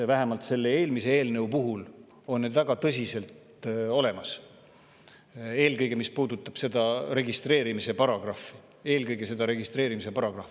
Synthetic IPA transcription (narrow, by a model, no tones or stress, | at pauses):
væɦe̞mɑlt̪se̞lːe̞e̞ːlmise̞eːlne̞upuɦul | o̞nnːed̪væɡ̥ɑt̪ɤs̬ʲise̞lt̪ | o̞le̞mɑs | e̞ːlkɤjɡ̥e̞mispuːd̪ut̪ːˑɑb̥se̞d̪̥ɑɾe̞ɡist̪re̞ːɾimise̞pɑɾɑɡ̥rɑfi | e̞ːlkɤjɡ̥e̞se̞d̪̥ɑɾe̞ɡ̥ist̪re̞ːɾimise̞pɑɾɑɡ̥rɑfi